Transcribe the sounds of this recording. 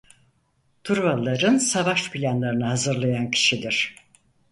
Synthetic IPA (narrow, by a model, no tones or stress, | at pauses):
t̪ʰuɾvalˠːaɾɯnsavaʃpʰilʲanlˠaɾɯnɯɦhazɯɾlˠajancʰi̥ʃid̪iɾ̥